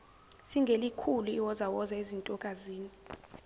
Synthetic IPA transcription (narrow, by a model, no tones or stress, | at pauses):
siŋɡʱelikʰuluiwɔzawɔzaezintʼɔkʼaziːni